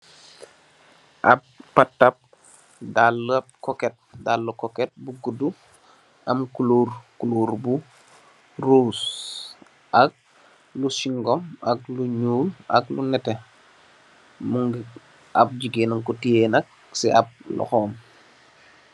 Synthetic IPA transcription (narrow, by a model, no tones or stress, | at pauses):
ʔɐp̚pɐtːɐp̚ | dalːɐp̚kɔkɛt̚dalːukɔkɛt̚buɡudu | ʔɐmkulurkuluɾbu | rus | ʔɐk̚ | lusiŋɡɔmʔɐk̚luɲuːlʔɐklṵnɛtɛ | muŋɡ | ʔɐp̚d͡ʒiɡenuŋkɔtienɐk̚ | siʔɐp̚lɔ̰xɔːm